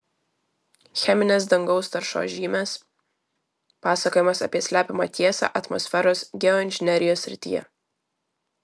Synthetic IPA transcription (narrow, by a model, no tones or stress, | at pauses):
xʲɛmʲɪnʲeːs̬d̪ɐŋɡɒʊst̪ɐɾʃo̰ːʒʲiːmʲes | pɑːsɐkoːjɛmɐsɐ̰pʲiɛsʲlʲæːpʲɪmɑt̪ʲiɛsɑ̰ːʔɐt̪mɔ̰sʲfʲɛɾoːsɡʲɛɔɪnʲʒʲɪnʲɛɾʲɪjoːsʲːɾʲɪt̪ʲḭːjɛ̰